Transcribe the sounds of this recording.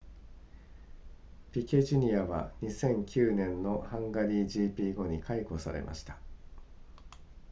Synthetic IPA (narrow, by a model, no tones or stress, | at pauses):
pʲikʲe̞ʑiɲ̟iaβa̰ɲ̟isẽ̞ŋkʲɨːnẽ̞nːo̞hãŋɡaɾʲiːʑiːpʲiːɡo̞ɲ̟ikʰaiko̞sa̰ɾe̞̰mʔa̰ɕi̥t̪ḁ